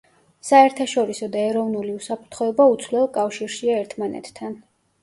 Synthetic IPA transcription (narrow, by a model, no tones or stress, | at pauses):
saɛɾt̪ʰaʃɔɾisɔd̪aɛɾɔvnuliusapʰɾt̪ʰχɔɛbaut̪sʰvlɛɔkʼafʃiɾʃiaɛɾt̪ʰmanɛ̰t̪ʰt̪ʰːan